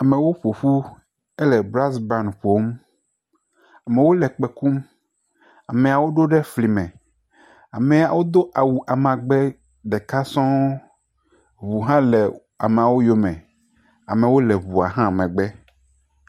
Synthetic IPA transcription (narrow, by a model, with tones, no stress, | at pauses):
a˨mẽ˨wo˦ɸo˨ɸu˦ | ɛ˦lɛ˨bɾa˦sbɾã˦˨nɸo˦m | a˨mẽ˨wo˦lɛ˨k͡pɛ˨ku˦m | a˨mẽ˨a˨wo˦ɖo˦ɖɛ˦fli˨mɛ̃˨ | a̰˨mẽ˨a˨wo˦d̪o˦ʔa˨wu˨ʔa˨mã˨ɡ͡bɛ˦ | ɖɛ˨ka˦sɔ̃˦ | βu˨ɦã˦lɛ˨ | a̰˨me˨a˨wo˦jo˦mɛ̃˨ | a˨mẽ˨wo˦lɛ˨βu˨a̰˨ɦã˦˨mɛ̃˨ɡ͡bɛ˦